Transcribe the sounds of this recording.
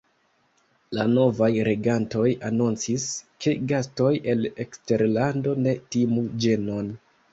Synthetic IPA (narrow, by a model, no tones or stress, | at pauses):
lano̞vajɾe̞ɡanto̞janont͡siskʰe̞ɡasto̞je̞le̞kste̞ɾlando̞ne̞timud͡ʒe̞no̞n